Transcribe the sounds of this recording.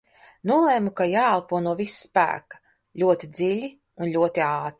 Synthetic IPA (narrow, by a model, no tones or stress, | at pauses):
nuɔlˠeːmukajaːalˠpuɔnuɔvisspæ̰ːkḁ | ʎʲuɔt̪id̪ziʎʲi | unʎʲuɔt̪iaːt̪ɾi